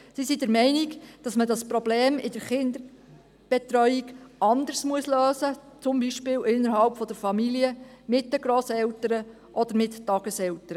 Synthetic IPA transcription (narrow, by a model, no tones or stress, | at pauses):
sisidɛɾmɛɪniɡd̥ɑsmədɑspɾɔbleːmɪd̥əɾχɪnd̪ə | b̥ɛtɾœʏiɡɑnd̪əɾsmuəsløːsə | t͡sʊmbiʃpɪːwʔɪnːəɾɦɑlpfɔd̥əɾfɑmiliə | mɪt̚dəɡɾoːsɛltəɾə | ʔɔd̥̪əɾmɪttɑɡ̥əsɛltəɾə